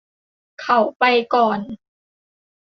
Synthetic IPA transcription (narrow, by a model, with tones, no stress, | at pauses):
kʰa˨˩wpa˧jkɔː˨˩n